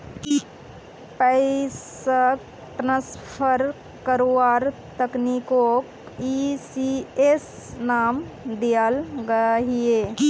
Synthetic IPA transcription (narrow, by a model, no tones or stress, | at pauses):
pəɪs | ək | ʈɾə̃spʰəɾ | kəɾoaːɾt̪əkniko | isies | naːmd̪ijalɡəɦie